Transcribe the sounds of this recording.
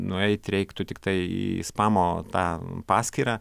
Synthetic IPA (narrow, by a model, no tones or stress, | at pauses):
nʊɛɪt̪ɾʲɛɪkt̪ʊt̪ʲɪkt̪ɐɪḭɪ̰spɑːmoːt̪ɑːpɑːsʲkʲiːɾɑː